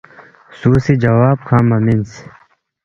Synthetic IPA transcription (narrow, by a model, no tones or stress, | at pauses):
suːsid͡ʑɐwaːb̚kʰaːmɐmins